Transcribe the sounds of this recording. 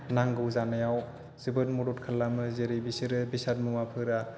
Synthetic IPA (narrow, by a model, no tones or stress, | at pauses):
naŋɡɯwzanajaw | z̥ɯbɯtmuɾut̚kʰalːamɯzeɾijbisɯɾɯbisat̚mumapʰɯɾa